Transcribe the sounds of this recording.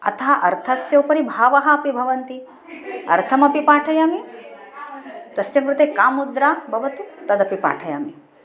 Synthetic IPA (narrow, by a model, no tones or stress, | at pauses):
ɐ̰t̪ʰɐɦaʔɐɾt̪ʰɐsjɐupɐɾibʱaːʋɐɦɐːpibʱɐʋɐnt̪i | ɐ̰ɾt̪ʰɐmɐpipaːʈʰɐjaːmi | t̪ɐsjɐmkɾut̪eːkaːmud̪ɾaːbʱɐʋɐt̪ut̪ɐd̪ɐpipa̰ːʈʰɐja̰ːmi